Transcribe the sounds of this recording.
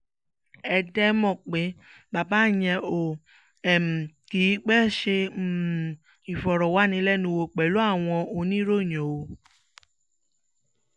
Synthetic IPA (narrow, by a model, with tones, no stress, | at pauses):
ɛ˧dɛ˦mɔ̃˦˨k͡pe˨˦ | ba˨ba˦j̃ɛ̃˧o˨ | ɛ˨m̩˨ | ki˨˦k͡pɛ˦ʃe˧˨ | i˨fɔ˨ɾɔ˨wa˨˦nĩ˧˦lɛ˦nũ˧wo˧k͡pɛ˨lu˨˦a˦˨w̃ɔ̃˧o˧nĩ˦ɾo˦˨j̃ɔ̃˨o˧